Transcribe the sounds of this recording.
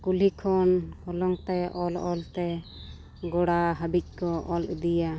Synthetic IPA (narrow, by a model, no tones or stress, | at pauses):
kulikʰɔnhɔlɔŋt̪ɛʔɔlɔlt̪ɛ | ɡɔɽaɦabic̚ˀkɔʔɔlṵd̪ija